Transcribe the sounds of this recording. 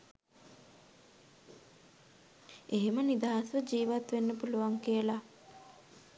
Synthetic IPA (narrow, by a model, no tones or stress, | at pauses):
eɦemənid̪aːasʋəd͡ʒiːʋat̪ʋenːəpuluʋaŋkijəla